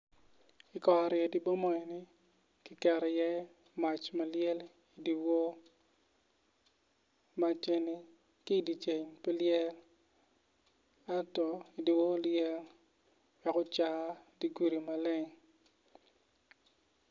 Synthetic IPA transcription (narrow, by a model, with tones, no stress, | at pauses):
ɪ˨kɔ˨a˨ɾjɛ˨di˨bɔ˦mɔ˨ɛ˨ni˦ | ki˦kɛ˨ɾɔ˨jɛ˦ | ma˨t͡ʃma˨ljɛ˦l | i˨di˨wo˦ | ma˨t͡ʃe˦ni˦ | ki˦˨di˨t͡ʃe˨ɲpɛ˦ljɛ˦l | a˦tɔ˨i˨di˨wo˦ljɛ˦l | wɛ˨kɔ˦t͡ʃa˨˦di˨ɡu˦ɾi˨ma˨lɪ˦ŋ